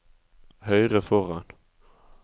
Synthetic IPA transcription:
hœʏʁəfɔʁɑn

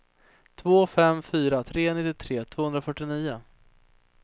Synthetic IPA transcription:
t̪ʰvoːfɛmfyːɾat̪ʰɾeːnɪt̪ːɪt̪ʰɾeːt̪ʰv̥oːhɵnd̪ɾafœʈːɪniːʊ

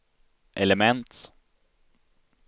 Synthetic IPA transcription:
ʔɛləmɛnt̪

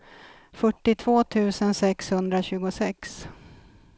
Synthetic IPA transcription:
fœʈːɪt̪ʰvoːt̪ʰʉ̟ːsənsɛkshɵnd̪ɾaɕʉ̟ːɡʊsɛks

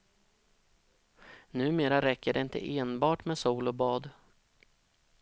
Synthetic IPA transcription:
nʉ̟ːmeːɾaɾɛkːəɖɛɪnt̪ʰə̰ʔeːnbɑːʈmeːsuːlɔbɑːd̪

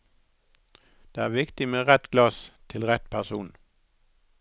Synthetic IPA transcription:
d̪̥eːæːʁʋɪkt̪ɪmeːʁɛt̪ɡ̥lɑst̪ʰɪlʁɛt̪pʰæʁsuːn

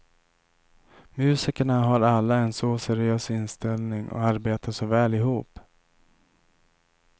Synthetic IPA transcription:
mʉ̟ːsɪkəɳaɦaɾalːaɛnsɔsɛɾɪøːsɪnst̪ɛlnɪŋɔ̰aɾbeːt̪aʂɔvɛːlɪɦuːp

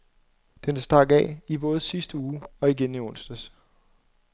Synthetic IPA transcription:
d̥enæsd̥ɑ̈ɡ̥ɛ̰ib̥ɔ̽ːð̞̩ˠsisd̥əuːɒ̽iɡ̥eniɔ̽n̰sd̥əs

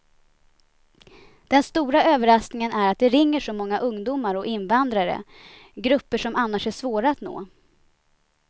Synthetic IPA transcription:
d̪̥ɛnst̪uːɾaøːvəɾasknɪŋənæɾat̪̚d̪ɛɾɪŋːəʂɔmɔŋːaʔɵŋd̪uːmaɾɔʔɪnvand̪ɾaɾə̰ | ɡɾɵpːəʂɔmʔanːaʂæʂvoːɾaat̪no̰ː

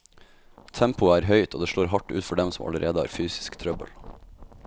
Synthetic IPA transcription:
t̪ʰɛmpʊæːɾɦœʏt̪oːd̪eːʂɭoːɾɦɑʈːʉːt̪fɔɖɛmsɔmʔɑ̰ləɾʔeːd̪əæ̰ːɾfyːsɪ̥skt̪ʰɾœbə̰l

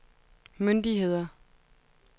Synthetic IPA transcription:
mønd̥iɦe̝ð̞̰ˠɐ

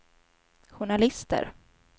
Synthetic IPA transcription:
ɧʊɳalɪst̪ʰə̰ɾ

